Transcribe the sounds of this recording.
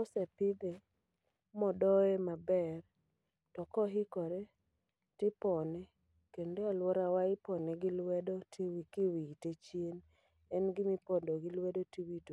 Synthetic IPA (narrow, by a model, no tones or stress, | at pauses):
kɔsɛpɪd̪e | mɔdɔɛmabɛr | tɔkɔɦɪkɔɾe | tɪpɔnɛ | kendealwɔɾawaɪpɔnɛɡɪlwɛdɔtwikɪwitet͡ʃjen | ɛnɡɪmɪpɔdoɡɪlwedotiwito